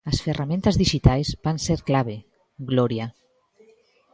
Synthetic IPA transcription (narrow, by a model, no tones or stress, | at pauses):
ɐsferamẽnt̪ɐzðiʒit̪ajzbanseɾklaβ̞e | ɡloɾja